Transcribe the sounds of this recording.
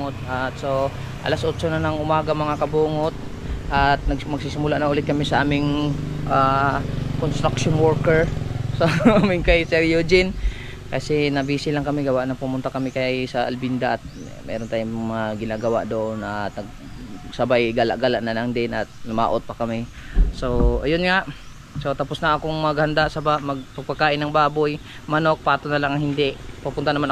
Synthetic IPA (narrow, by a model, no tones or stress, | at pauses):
ot̪̚ʔat̪̚so | ʔɐ̰lasʔot͡ʃonɐnɐŋʔʊmaːɡɐmɐŋakɐbuːŋot̪̚ | ʔɐt̪̚nɐɡmɐɡsisɪmʊlaʔnɐʔʊlɪt̪̚kɐmɪsɐʔaːmɪŋʔa | konst̪ɾakʃonwoɹkɛɹsɐaaːmɪŋkɐjsɛɾjod͡ʒɪn | kɐsɛnɐbiːsɪlaŋkɐmɪɡɐwaʔnɐŋpʊmʊnt̪akɐmɪkɐjsɐʔɐ̰lbind̪aʔɐt̪̚ | mʔɛ̰ːɾont̪aːjʊŋmɐŋaɡɪnaːɡɐwa̰ʔd̪oʔonːɐt̪ɐɡ̚ | sɐbajɡala̰ʔɡalaʔnɐlɐŋd̪ɪnʔɐt̪̚lʊma̰ːʔot̪̚pɐkɐmɛ | soʔɐjonŋaʔ | sot̪aposnɐʔɐkoŋmɐɡhɐnd̪aʔsɐbaʔmɐɡ̚pɐɡ̚pɐɡ̚kaːʔɪnːɐŋbaːboj | mɐno̞k̚paːt̪onɐlaŋɐŋhɪnd̪ɛʔpɐpʊnt̪anɐman